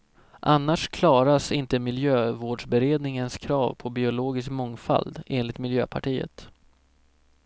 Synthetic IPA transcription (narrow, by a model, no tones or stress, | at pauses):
ʔanːaʂkʰlɑːɾasɪnt̪əmɪljøːvoːɖʂbɛɾeːd̪nɪŋənskʰɾɑːvpʰɔbɪʊloːɡɪs̬kmɔŋfa̰ld̪eːnlɪt̪mɪljø̰ːpʰaʈʰiːə̰t̪